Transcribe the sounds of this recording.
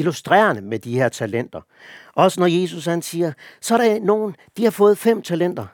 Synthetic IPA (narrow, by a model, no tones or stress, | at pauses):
ilusd̥ʁɛ̰ːɐnəmed̥ihe̝ɐ̰t͡sʰælen̰d̥ɐ | ʔɒ̽sənɒje̝s̬ushænsiːɐsɒ̽æɐɾɑ̈no̝ːn̩ | d̥ihɑ̈fɔ̽ːð̩ˠfem̰t͡sʰælen̰d̥ɐ